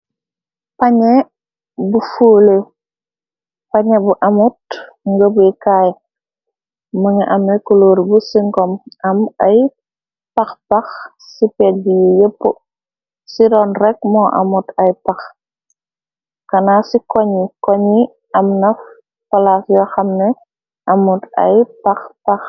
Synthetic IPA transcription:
paɲe | bufuːle | paɲebuʔɐmut̚ | ŋɡəbujkaj | məŋaʔamekuloːɾbusiŋkɔmɐmɐj | paxpax | sipɛːt̚bijijəpːu | sidɔːnrɛk̚mɔʔɐ̰mutɐjpɐx | kɐnasikɔɲikɔɲi | ɐmnɐf | pɐlasjɔxɐmnɛ | ʔɐmutɐ̰jpɐxpɐx

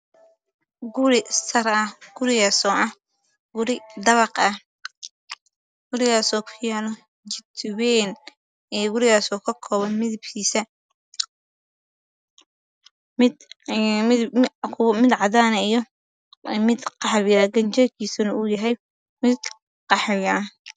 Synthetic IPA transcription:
ɡʊɾɪsɐrɐhɡ̥ʊɾɪɣasɔːʔɐh | ɡ̥ʊɾɪd̪ɐβɑqɐh | ɡ̥ʊɾɪɣaːsɔːkʰʊjanɔ | t͡ʃɪt̪ʰwɛːn | ɛːɡʊɾɪɣaːsɔːkʰɐkʰɔːβɐnmɪðɪbkʰiːsɐ | mɪd̪ | ɪkʰʊwmɪd̪ʕɑðaːnɛjɔ | mɪd̪qɑħβjɐɡɐnt͡ʃɐkʰiːsɐnɐʊjɐɦɛj | mɪd̪̚ | qɑħjɐ

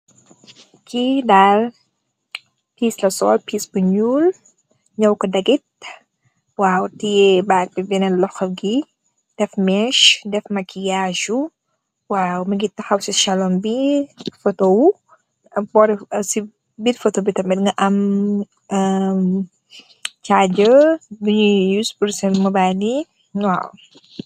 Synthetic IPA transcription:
kidal | piːslɐsɔ̰ːlpiːsbuɲuːl | ɲɐwkɔdɐɡit̚ | waːwtijɛbaːk̚bibɛnɛlɔxɐɡi | d̥ɛfmɛʃdɛfmɐkijaːʒu | waːwumɐɡitːɐxɐwsiʃɐlɔmbifotow | bɔɾisi | biɾfɔtobitɐmɛtŋɡɐʔɐm | t͡ʃad͡ʒəbuɲujusbuɾsɛmɐbani | ŋwaw

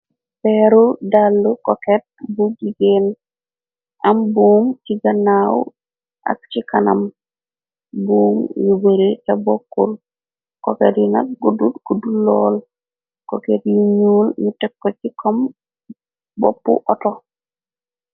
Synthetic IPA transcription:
pɛɾudalːukɔket̚bud͡ʒiɡen | ambumt͡ʃiɡanaw | a̰k̚t͡ʃikana̰m | buːmjubeɾitabokːul | koketina̰k̚ɡudutɡ̥udulɔ̰l | koketjiɲulnitɛkːot͡ʃikʰɔm | bo̰pːṵʔɔtɔ

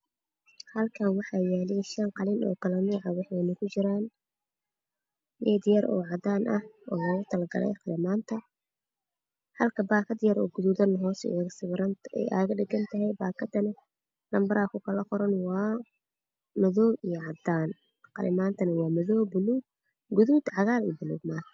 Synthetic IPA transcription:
hɐlkʰaːnwɑħɑːjaːlɛʃɐnqɑlɪnɔ̰ːkʰɐlɛnuːʕɑwɑħnɐkʰʊt͡ʃɪɾaːn | lɛːd̪jɐɾʔɔ̰ːʕɑd̪aːnʔɐhʔɔːlɔːɣʊt̪ʰɐlɐɡɐ̰lɛ̰jqɑlɪmaːnt̪ʰɐ | hɐlkʰɐbaːkʰɐd̪jɐɾɔ̰ːɡʊðuðɐnɦɔːsɛ̰aɣɐsɪwɾɐnɛ̰ja̰ːɣɐɖɪɡɐnt̪ʰɐɦɛjbaːkʰɐd̪ɐnɐ | lɐmbɐɾaːkʰʊkʰɐlɐqɔɾɐnwɑː | mɐðɔːbijɔʕɑd̪aːn | qɑlɪmaːnt̪ʰɐnɐwɑːmɐðɔːbʊluːɡ̚ | ɡʊðud̪ʕɑɣaːlḭːbɪlṵːɡmaːh

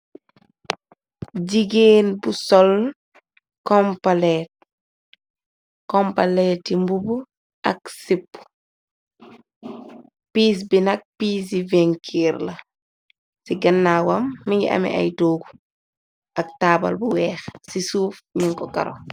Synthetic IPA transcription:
ɟiɡeːnbusɔl | kɔmpalɛːt̚ | kɔmpalɛtimbubu | ʔɐksipːu̥ | piːs̬binɐk̚piːs̬ivɛŋkʰiːɾlɐ | siɡɐnːaːwɐmːiɲḭɐ̰mɛ̰ʔa̰jtoːɡu | ʔɐk̚taːbɐ̰lbuwɛːxsisuːfɲiŋkɔkɐ̰ɾɔ̰

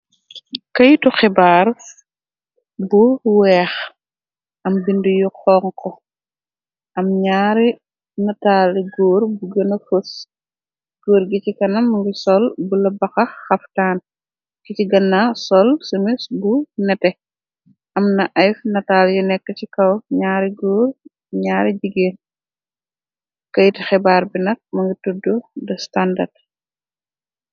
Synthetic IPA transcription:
kɐjtuxɛbaːr | buwɛːx | ʔɐmbindujuqɔːŋkʰɔ | ʔɐmɲaːɾi | nɐtaːliɡɔːɾbuɡɐnɐfos | ɡ̥ɔːɾɡicikɐnɐmŋɡisɔlbulɐbɐxɐxɐftaːn | kiciɡɐnːasɔlsumisbunɛtɛ | ʔɐmnɐʔɐjfnɐtaːljunɛkːəcikɐwɲaːɾiɡɔːr | ɲaːɾiɟiɡen | kɐjtixɛbaːɾbinɐk̚mɐŋɡitudːudɐstandɐrd

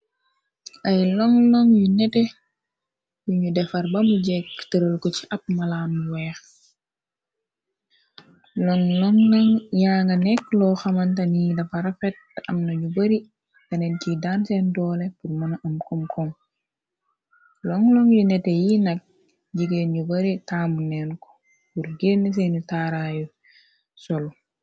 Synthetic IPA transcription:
ʔɐjlɔŋlɔŋjunɛtɛ | juɲudɛfɐɾbamuɟɛkːtəɾəlkɔt͡ʃi̥ʔɐp̚mɐlaːmːuwɛːx | lɔŋlɔŋlɔŋjaːŋɡɐnɛk̚lɔxɐmɐnt̬ɐnidɐfɐɾɐfɛt̚ː | ɐmnɐɲubɐɾi | kɐnɛncidansɛndɔːlepuɾmɔnaʔɐmkɔmkɔm | lɔŋlɔŋjinɛtejinɐk̚ | ɟiɡenɟubɐɾitaːmunɛnkɔ̥ | puɾɡeːnis̬enutaːɾaju | sɔl

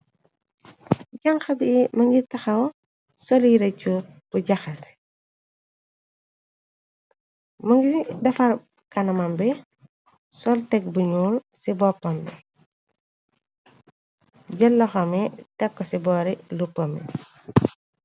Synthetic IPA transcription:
ɟɐŋxɐbimɐŋɡitɐxɐw | sɔljiɾɐcːub̥uɟɐxɐs | mɐŋɡidɐfɐɾ | kɐnɐmɐmbɛ | sɔltɛk̚buɲuːlsibɔpːɐmbɛ | ɟɛlːɔxɐmitɛkːɔsibɔːɾilupːɐmḭ

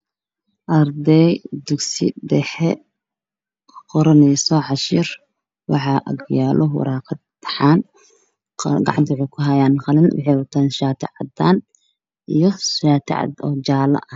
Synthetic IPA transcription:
ʔɐrd̪ɛjd̪ʊɡsɪ̰ɖɛħɛ | qɔɾɐnɛjsɔʕɑʃɪr | wɑħɑːʔɐ̰ɡjaːlʔɔɦwɑ̰ɾakʰɐ | t̪ʰɐ̥ħaːn | ɡɑʕɑ̰nt̪ʰwħɛjkʰʊɦɐjaːnχɑlɪnwɑ̰ħɑjwɑt̪ʰaːnʃaːt̪ʰɛ̰ʕɑ̰d̪aːn | ijɔʃaːt̪ʰɛ̰ʕɑ̰d̪ɔːt͡ʃaːlɐ̰ʔɐ

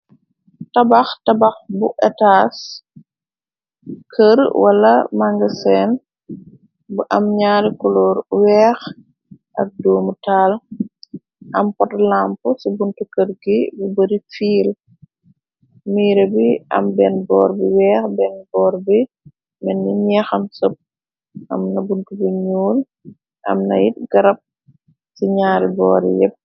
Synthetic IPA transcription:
tɐbɐxtɐbɐxbuʔɛtaːs | kʰəɾwɐlɐmaŋɡɐsɛn | buʔɐmɲaːɾikulɔːɾwɛːx | ʔɐk̚dɔːmutaːl | ʔɐmpɔtlampusubuntukəɾɡibubəɾifiːl | miːɾɐbiʔɐ̰mbɛnbɔːɾbiwɛːxbɛnbɔːɾbi | mɛnːiɲɛxɐmsɔp̚ | ʔɐ̰mnɐbuntubiɲuːl | ʔɐ̰mnɐ̰jit̚ɡ̥ɐɾɐp̚ | siɲaːɾibɔ̰ːɾḭjɛ̰p̚

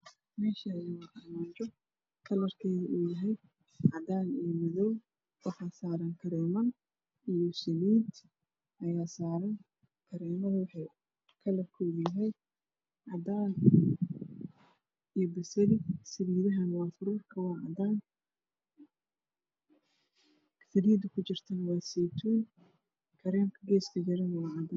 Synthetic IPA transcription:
mɛːʃaːðɪwɑɐmaːt͡ʃɔ | kʰɐlɐrkʰɛjðɐʔuːjɐɦɛj | ʕɑd̪aːnuːmɪðɔw | wɑħɑːsaːɾɐŋkʰɐɾɛːmɐn | ijɔsɐliːd̪ | ʔɐjaːsaːɾɐŋ | kʰɐɾɛːmɐðʊwɑħɑj | kʰɐlɐrkʰɔjaɦɛj | ʕɑd̪aːl | ijɔbɐsɐlɪsɐβiːðɐɦɐnwɑːfʊɾuːrkʰɐwɑːʕɑd̪aːn | fɐliːd̪ɐkʰʊt͡ʃɪrt̪ʰɐnɐwɑːsɛt̪ʰuːn | kʰɐɾɛːmkʰɐɡɛːst̪ʰɐd͡ʒɐɾɛnɐwɑːʕɑd̪aːn

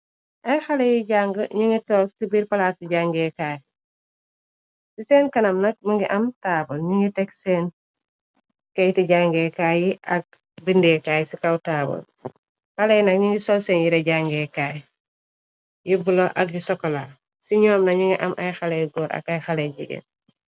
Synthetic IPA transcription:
ʔɐjxɐlɛjiɟaŋɡəɲuŋitɔːksibiːɾpɐlaːsiɟaŋɡɛːkaːj | sisɛːnkɐnɐmnɐk̚muŋɡiʔɐmtaːbɐlɲuŋɡitɛksɛːn | kɐjtiɟaŋɡɛkaːjiʔɐk̚ | bindɛːkaːjsikɐwtaːbɐ̰l | xɐlɛjnɐk̚ɲiŋɡisɔlsɛːnjiɾɛɟaŋɡɛːkaːj | jibulɔʔɐkjisɔkːɔla | siɲɔːmnɐɲuŋiʔɐmʔɐjxɐlɛjɡɔːɾʔɐ̰kɐjxɐlɛɟiɡɛ̰n

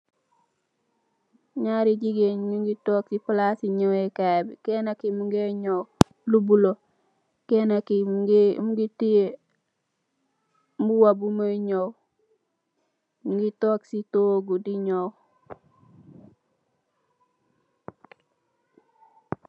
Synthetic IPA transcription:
ɲaɾid͡ʒiɡeɲɲuŋɡitoksiplasiɲowekabikenakimuŋɡeɲow | lubulo | kenakimɡmuɡitije | muwabumoɲow | uŋɡitoksitoːɡudiɲow

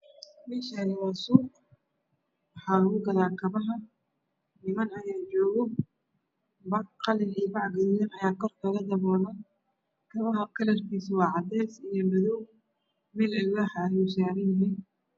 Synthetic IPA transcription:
mɪʃɛɣɐwaːsuːq | wɑħɑːlɐɣʊɡɐðaːkʰɐβɐɦɐ | nɪmɐnɐjaːt͡ʃɔːɣɔ | bɑqɑlɪnibɑʕɡɪɾjɐnɐjaːkʰɔrkʰɐɣɐd̪ɐβɔːnɐ | kʰɐβɐɦɐkʰɐlɐrkʰiːswɑːʕɑd̪ɛːsijɔmɐðɔw | mɪlɪlɐhɐjʊsaːɾɪjɪɦɛn

